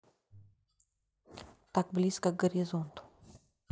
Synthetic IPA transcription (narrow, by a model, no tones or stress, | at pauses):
t̪aɡblʲiskəɡəɾʲizɔnt̪ʊ̥